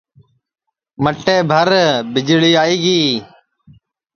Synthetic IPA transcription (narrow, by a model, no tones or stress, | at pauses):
məʈːeːbʱəɾbɪd͡ʒɭiːaːiːɡiː